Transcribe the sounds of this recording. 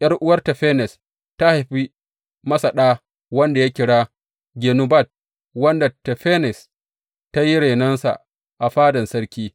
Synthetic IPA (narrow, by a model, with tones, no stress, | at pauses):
jɐ˦rʔʊ˦wɐ˦rta˨ɸeː˦nɛ˨s | ta˦ha˨jɸi˦ | mɐ˦sa˨ɗaː˦ | wɐ˦nda˨ja˦kʲɪ˨ɽaː˦ | ɡʲeː˨nu˦ba˦˨t̚ | wɐ˦nda˨tɛ˨ɸeː˦nɛ˨s | ta˦ji˦ɽe˨nɐ˦nsa̰˨ | ʔa˨ɸaː˦dɐ˨nsɐ˦ɽkʲiː˦